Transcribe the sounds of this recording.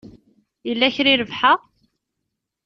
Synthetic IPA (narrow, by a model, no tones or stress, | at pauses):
jəlːæçɾiɾəvħa